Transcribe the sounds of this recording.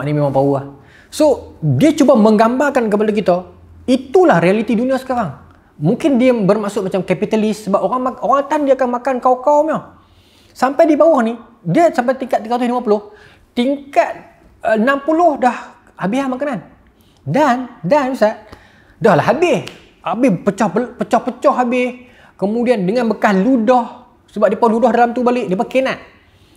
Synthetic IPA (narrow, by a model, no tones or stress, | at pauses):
aʔnimemaŋbawah | sodiat͡ʃubaməŋɡambarkankəpalak̬it̪a | it̪ulahrialit̪iduniasə̥kaɾaŋ | muŋkɪndiabərmasʊʔ̚mat͡ʃamkapit̪alɪsːəbap̚oɾaŋoɾaŋt̪andiaakanmakankawkawmɔh | sampajdibawɔhni | diasampajt̪iŋkat̪̚ːiŋkat̪ʊlimapulʊh | t̪iŋkat̪̚ | ənampulʊhdah | habiɦamakanan | dandanbisaʔ | dɔhlaɦabɪh | ʔabɪhpət͡ʃɔhəpət͡ʃɔhpət͡ʃɔɦabɪh | kəmudiandəŋanbəkahludɔh | səbap̚dipaludɔhdalamt̪ubalɪʔdiəpəkenaʔ̪̚